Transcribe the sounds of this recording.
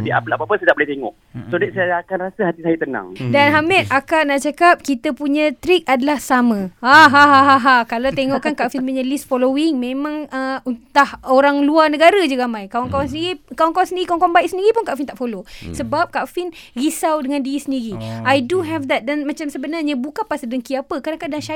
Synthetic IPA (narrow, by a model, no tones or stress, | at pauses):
dia̰pəlapapənsat̪aʔ̚bulaht̪eŋɔ̰ʔ | sodɛsakanrasəhat̪isajat̪ənã̰ŋdanɦamɛt̪̚akaʔnaʔt͡ʃakap̚kit̪əpuɲãt̪ɾik̚adəlahsamə̃aɦaɦaɦaɦakalat̪eŋɔʔkankafinpuɲãlist̪̚folowɪŋmẽmãŋəunt̪ahoɾaŋluarnəɡaɾəd͡ʒuɡaamãjkawankawansəndiɾikawankawansəndiɾikawŋkawambajʔk̚səndiɾipunkaʔfint̪aʔfolosəbap̚kafɪnrisawdəŋãndiisəndiɾiajduɦɛvd̪ɛt̪̚danmat͡ʃamsəbənarɲabukanpasədəŋkiapəkanakaʔdanʃa